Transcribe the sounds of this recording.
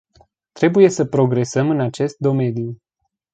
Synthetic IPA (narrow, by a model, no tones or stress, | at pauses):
t̪ɾe̞buje̞səpɾo̞ɡɾe̞səmɨnat͡ʃe̞st̪̚d̪o̞me̞nju